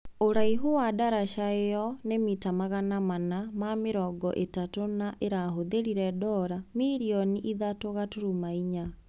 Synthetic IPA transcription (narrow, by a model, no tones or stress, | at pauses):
oɾaiɦowadaɾaʃaejɔnemitamaɣanamanamameɾɔɡɔ̰ʔetatonaʔeɾaɦoðeɾiɾɛdɔɾamiɾiɔniʔiðatoɣatoɾumaiɲa